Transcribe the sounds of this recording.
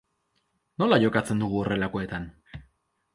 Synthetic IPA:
no̞laʝo̞kat͡se̞nd̪uɣ̞uo̞re̞lako̞e̞t̪an

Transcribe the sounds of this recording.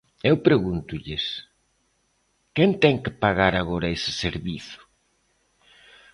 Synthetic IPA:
ewpɾeɣunt̪ʊʎɪs | kent̪ɛŋkɪpaɣaɾaɣoɾɐesɪ̥seɾβiθʊ̥

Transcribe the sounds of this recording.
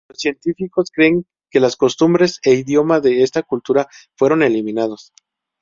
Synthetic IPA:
losːje̞nt̪ifiko̞skɾe̞ːŋ | ke̞lasko̞st̪umbɾe̞se̞iðjo̞maðe̞est̪akult̪uɾafwe̞ɾo̞ne̞limĩnað̞os

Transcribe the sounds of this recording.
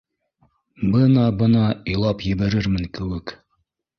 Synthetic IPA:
bɤnɑbɤ̆nɑijlˠɑpjɘ̆βæɾɘɾmɘŋkɘ̆wɘk

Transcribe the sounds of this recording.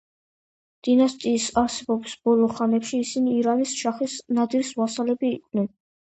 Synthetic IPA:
d̪̥inast̪ʼiːsaɾsɛbɔbisbɔlˠɔχanɛpʃiːsiniːɾanisʃaχisnad̪iɾsvasalɛbiːkʼʰvnɛn

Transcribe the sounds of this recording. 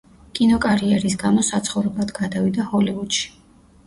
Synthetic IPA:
kʼinɔkʼaɾiɛɾis̬ɡamɔsat̪sʰχɔvɾɛblˠad̪ɡad̪avid̪ahɔlivud̪̥ʃi̥

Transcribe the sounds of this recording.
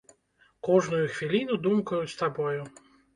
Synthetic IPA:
kɔʐnujuxvʲilʲinud̪umkɐjut͡sʲst̪abɔju

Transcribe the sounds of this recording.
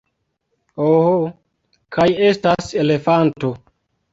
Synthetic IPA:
oho | kʰaje̞stase̞le̞fanto̞

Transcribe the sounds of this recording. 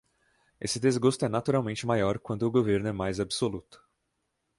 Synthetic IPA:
esɪd̪ezɡost̪ʊɛnat̪uɾawmẽnt͡ʃɪmajɔɾkwɐ̃nt̪ʊːɡoveɾnʊɛmajzabɪsolut̪ʊ̥

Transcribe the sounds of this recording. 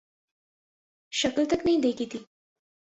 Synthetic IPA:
ɕəklt̪əknəĩd̪ekʰit̪iː

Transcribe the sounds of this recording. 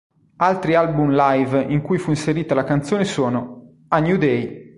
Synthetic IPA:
alt̪ɾialbumlajviŋkujfuinseɾiːt̪alakant̪sjoːnesɔːno | anjud̪ɛj

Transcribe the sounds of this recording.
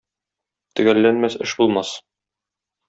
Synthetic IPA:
t̪ɵ̆ɡælːænmæsɘʃbulˠmɑs

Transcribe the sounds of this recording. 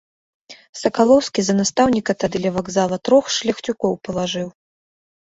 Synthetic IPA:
sɐkalˠɔwskʲizɐnast̪awnʲikɐt̪ad̪ɨlʲɐvaɡzalˠɐt̪ɾɔxʂlʲɐxt͡sʲukɔwpɐlˠaʐɨw

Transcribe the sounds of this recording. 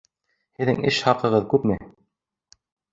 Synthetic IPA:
hɘ̆ðɘ̰ŋɘʃhɑqɤ̆ʁɤðkʉpmɘ

